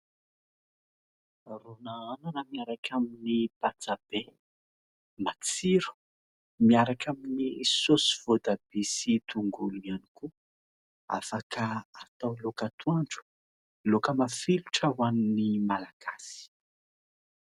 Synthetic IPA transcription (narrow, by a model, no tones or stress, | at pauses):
ronaananamiaɾakʰaminipat͡sab̥e | mat͡siɾu̥ | miaɾakʰaminisosi̥v̥od̪ab̥isit̪uŋɡuluianiku | a̰fakaat̪awlokat̪uaɳɖ͡ʐu̥ | lokəmafiluʈ͡ʂəwaninimalaɡ̥asi̥